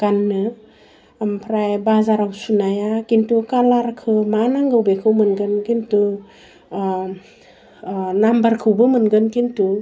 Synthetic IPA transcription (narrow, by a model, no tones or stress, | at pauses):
ɡ̥anːɯ | ampʰɾajbazaɾawsunajakintukalaɾkʰɯmanaŋɡɯwbekʰɯwmɯnɡɯnkintu | nambaɾkʰɯwbɯmɯnɡɯnkintu